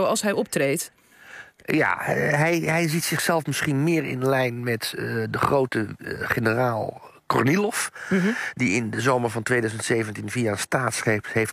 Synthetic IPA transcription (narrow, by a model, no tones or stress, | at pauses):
ɑlˠsɦɛjɔp̚treːt | ja̰ɦɛjɦɛjzitsɪχsɛlˠfmɪsχinmɪːərɪ̰nəlɛjnmɛtdəχroːwtəχenəraːlˠ | kɔ̰rnilɔf | diɪndəzoːmərvɔntʋeːdœɥzəntseːvəntinviːaəstaːtsχehef